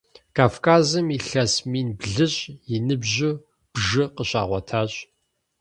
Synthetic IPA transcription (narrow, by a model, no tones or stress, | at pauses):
kʰaːfkʰaːzɨmiɬɐsmiːnbɮɨɕʼjɪnɨbʑʊ | b̥ʒɨqəɕʼa̰ːʁʷɔtʰaːɕʼ